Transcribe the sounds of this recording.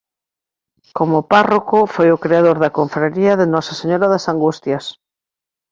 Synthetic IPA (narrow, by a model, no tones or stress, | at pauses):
komoparokofojʊkɾeaðoɾðɐkoɱfɾaɾiɐðenɔsaseɲoɾaðasaŋɡust̪jɐs